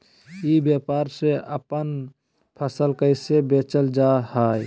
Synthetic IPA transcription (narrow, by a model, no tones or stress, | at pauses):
ibjepaɾseəpən | pʰəsəlkəɪsebet͡ʃəld͡ʒaɦaj